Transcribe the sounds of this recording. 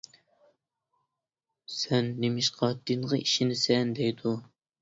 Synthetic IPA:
sɛnːemɪʃqʰɑd̪̥inʁɑʔiʃinɪsɛnd̪ɛjd̪u

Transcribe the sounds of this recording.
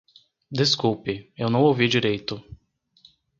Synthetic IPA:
d̪eskuwpɪewnɐ̃w̃owvid͡ʒiɾejt̪ʊ

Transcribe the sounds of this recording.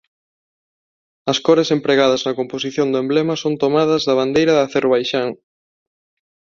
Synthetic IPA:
ɐskɔɾesempɾeɣaðɐznɐkomposiθjond̪ʊẽmblemɐsont̪omaðɐzðɐβand̪ejɾɐðɐθeɾβajʃaŋ

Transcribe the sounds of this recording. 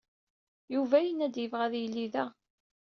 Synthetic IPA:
juvæjənæd̪jəvʁæðjəlːiðæ

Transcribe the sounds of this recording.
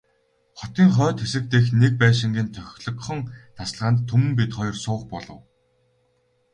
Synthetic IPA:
χɔt̪iːŋχœːt̪xesɘ̆k̚t̪eːxnek̚pæːʃ̬ɪ̆ŋɡeːnt̪ʰœxʲɮɞ̆kχɞ̆ŋt̪ʰasɮʁaːnt̪ʰːumɘ̆mp̬it̪χɔjɞ̆rsʊːqpɔɮɞ̆w

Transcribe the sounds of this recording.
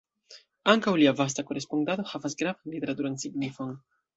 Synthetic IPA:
aŋkawliavas̬tako̞ɾe̞spondado̞havasɡɾavanlite̞ɾatuɾansiɡnifo̞n

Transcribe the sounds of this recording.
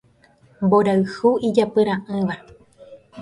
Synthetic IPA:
mboɾaɨhuʔid͡ʒapɨɾãʔɨ̃ʋa

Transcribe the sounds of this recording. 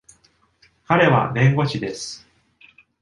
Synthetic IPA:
kaɾe̞βa̰bẽ̞ŋɡo̞t͡ɕid̪e̞sɨ̥

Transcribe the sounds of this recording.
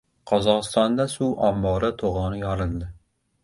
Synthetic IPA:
qʰɑzɑqst̪ɑnd̪ɑsuʔɑmːɑːɾɨt̪ʰoʁɑːnɨjɑɾɨnd̪ɨ

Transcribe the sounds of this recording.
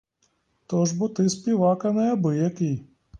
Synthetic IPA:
t̪ɔʒbʊt̪ɪsʲpʲiʋɑkɐnɛɐbɪjɐkɪj

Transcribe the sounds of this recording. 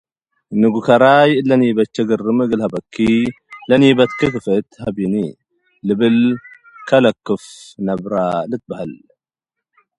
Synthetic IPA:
nɨɡukʰɐɾajʔlɐnjbɐt͡ʃːɐɡɨrːɨmɨɡɨlhɐbɐkʰːi | lɐnjibɐt̪kʰɨkɨfɨt̪hɐbini | lɨbɨl | kʰɐlɐkːɨfnɐbɾalɨt̪̚bahal

